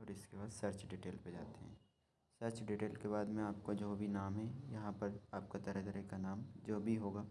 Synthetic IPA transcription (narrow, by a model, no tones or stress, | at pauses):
ɔːɾɪskebaːd̪səɾt͡ʃɖɪʈeːlped͡ʒaːt̪eɦɛ̰̃ː | sɐɾt͡ʃɖɪʈeːlkeβaːd̪mẽaːp̚kod͡ʒoːbʱinaːmɦɛjɐɦãpɐɾaːp̚kat̪ɐɾəd̪ɾekanaːmd͡ʒoːbʱiɦoːɡaː